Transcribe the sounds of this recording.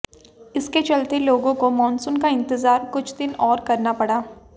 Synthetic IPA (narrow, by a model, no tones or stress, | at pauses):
ɪsket͡ʃɐlt̪eloːɡõkomɔ̃ːnsʊnkaɪ̃nt̪ɪzaːɾkʊt͡ʃʰd̪ɪnɔːɾkɐɾnapɐɽaː